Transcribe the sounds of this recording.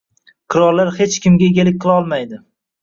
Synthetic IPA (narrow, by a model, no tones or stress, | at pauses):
qʰɨɾɒɾlaɾhe̞t͡ʃkʲɪmɡʲaeɡʲalɪk̚ʲqʰɨlˠɒlˠmajd̪ɪ